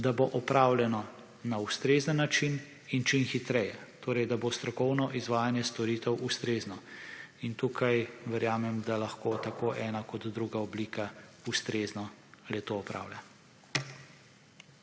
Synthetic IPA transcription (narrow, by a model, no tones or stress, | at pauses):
d̪aboʔɔpɾaːwlʲɛnɔ | naust̪ɾeːzənːat͡ʃin | int͡ʃinxit̪ɾɛjɛt̪oːɾɛjd̪abost̪ɾɔkɔwnɔʔizʋaːjanjɛst̪ɔɾiːt̪ɛwʔust̪ɾeːznɔint̪uːkʰajʋɛɾjaːmɛmd̪alaxkoːt̪akoːʔɛːnakɔd̪d̪ɾuɡaɔbliːkaust̪ɾeːznɔlɛt̪oɔpɾa̰ːwlʲa̰